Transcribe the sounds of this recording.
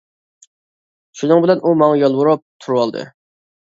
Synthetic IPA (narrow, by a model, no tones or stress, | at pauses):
ʃunɨŋbɪlɛnʔumɑŋɑjɑlˠwuɾup̚t̪ʰuɾwɑlˠd̪ɨ̰